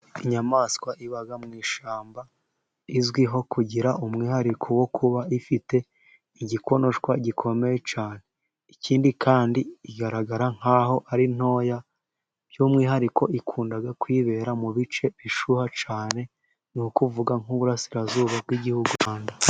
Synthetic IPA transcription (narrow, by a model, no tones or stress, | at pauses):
iɲamaskwaʔiβaɡamŋiːʃaːmba | izɡwiɦo̞kuɟiɾaʔumŋiːhaɾikʰowo̞kʰuβaifite̞ | iɟiko̞no̞ʃkwaɟikʰo̞me̞jet͡ʃaːne | iciːndikʰaːndiiɡaɾaɡaɾaŋ̥aːho̞ʔaɾin̥o̞ːja | jumŋiːɦaɾiko̞ikʰuːndaɡakwiːβe̞ːɾamuβit͡ʃe̞βiʃuhat͡ʃaːne̞ | nukuvuɡaŋ̥uβuɾasiɾazuːβab̚ɡiɟihuɡuanda